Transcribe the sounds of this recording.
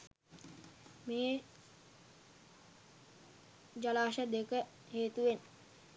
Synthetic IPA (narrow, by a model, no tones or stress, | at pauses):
meː | d͡ʒalaːʃəd̪ekə | heːt̪uʋen